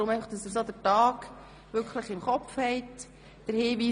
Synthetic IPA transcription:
ʊmɛɪɑχd̥ɑsɪs̬odətɑːɡ | ʋʏɾkχləχɪmχɔfhɛɪt | d̥əɾhiːʋiː

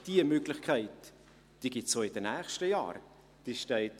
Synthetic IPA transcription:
d̥iəmøɡlɪχkʰæɪt | d̥iːɡ̥ɪtsoːɪd̥ənæːχʃtəjɑ̰ːɾ | d̥iʃtɛɪt

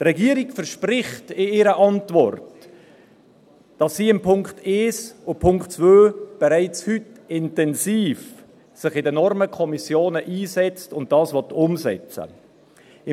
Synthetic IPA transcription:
drɛɡiːɾiɡfɛɾʃpɾɪχtɪɪɾəʔɑntvɔrt | d̥ɑsːiːɪmpʰʊŋkteːsʊpʰʊŋktt͡svøːb̥ɛɾaɪt͡shytɪntɛnsiːf | sɪχɪdənɔɾməkʰɔmisjoːnəʔiːzɛt͡stʊnt̚d̥ɑːsvɔtʊmzɛ̰t͡sə̰ | ɪ

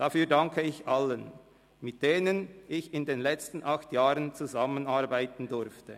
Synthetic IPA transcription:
d̥afyːɐdaŋkʰəɪçʔalən | mɪt̚d̥eːnənʔɪçɪndeːnlɛt͡stn̩ʔaxtjaːʁənt͡suzamənaɐʁbaɪtn̩dʊɾftʰə

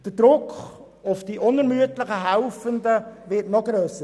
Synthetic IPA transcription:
d̥əd̥ɾʊkʰ | ʊfd̥iːʔʊnɛɾmyətlɪχəɦæʊfəndəʋɪɾtnɔɡɾøːsə

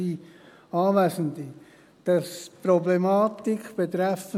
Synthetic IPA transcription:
i | ɑːvæːsən̩d̪i | d̥ɑspɾɔblemɑːtikb̥et̪ɾɛfə

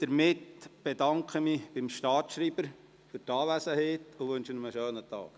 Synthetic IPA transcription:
d̥əɾmɪtb̥edɑŋkʰχəmib̥ɪmʃtɑːtʃɾiːbəɾ | fʏɾtɑːʋæsəheːt̪ʊʋɵnʃənəməʃøːnətɑ̰ːk

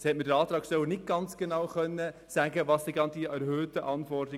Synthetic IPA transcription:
shɛtmədəɑːt̪ɾɑːksœwənɪt̚ɡ̥ɑnt͡sɡ̥enɑwχœnːəsæɡəʋɑːsd̥̪ɛɡɑnd̪iʔæɾhøːtəʔɑnfɔrdɾɪ

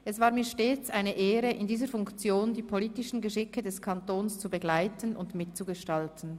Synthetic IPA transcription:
ʔɛsv̥aːʁmiːʃteːt͡sʔaɪnəʔeːʁəʔɪndiːzəfʊŋkt͡sjoːndiːpʰoliːtɪʃn̩ɡəʃɪkədɛskʰantoːnst͡subəɡlaɪtənʔʊ̰ndmɪt̚t͡suɡəʃtaltən̩

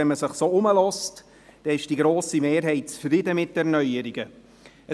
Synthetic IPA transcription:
ɛnməsɪχsoːʊməlɔst | d̥ɛɪʃd̥iɡɾoːsimeːɾɦɛɪt̚t͡sfrɪdəmɪt̚dɛɾnœʏəɾiɡə | ə

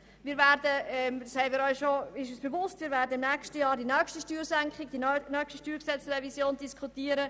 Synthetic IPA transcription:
mɪːɾvæːɾdəɛmshɛɪmɪːɾɔʏʃoɪʃosb̥evʊstviːɾvæːɾdəmnɛkʃtəjɑːɾdinœːkʃtiʃtyːɾsæŋkχɪɡ̚d̥inœkʃtiʃtyːɾksɛt͡srɛvisjoːnd̥iskχutiːəɾə

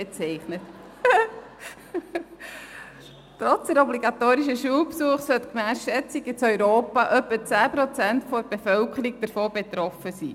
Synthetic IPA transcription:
ɛt͡sɛɪχnət | tɾɔt͡sd̥̪əɾɔbliɡɑt̪oːɾiʃəʃuːlpsuəχsœt̪kmæːsʃɛt͡siɡət͡sœʏɾoːpɑʔœpːət͡sæːpɾɔt͡sæntfɔɾb̥efœlkʰəɾiɡ̚d̥əɾfoːbet̪ɾɔfəsiː

